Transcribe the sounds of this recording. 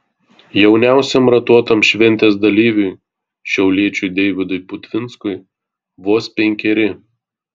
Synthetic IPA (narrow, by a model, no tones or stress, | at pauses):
jɛʊnʲæˑʊsʲɛmɾɐt̪uɔt̪ɐmʃʲʋʲɛnʲt̪ʲeːsd̪ɐlʲiːʋʲʊɪ | ʃʲɛʊlʲiɛt͡ʃʲʊɪd̪ʲɛɪʋʲɪd̪ʊɪpʊt̪ʲʋʲɪnt̪skʊɪ | ʋoːspʲɛŋʲkʲɛɾʲɪ